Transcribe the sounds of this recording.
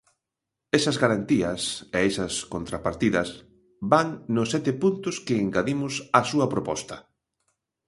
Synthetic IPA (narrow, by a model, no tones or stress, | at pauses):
ɛsɐzɣaɾant̪iɐseesɐskont̪ɾapaɾt̪iðɐs | baŋnʊsːɛt̪ɪpunt̪ʊskɪːŋɡaðimʊsasuɐpɾopɔst̪ɐ